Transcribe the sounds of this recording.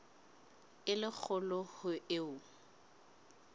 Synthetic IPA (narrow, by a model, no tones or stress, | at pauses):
ɪlɪk͡xʰʊlɔhʊɪʊ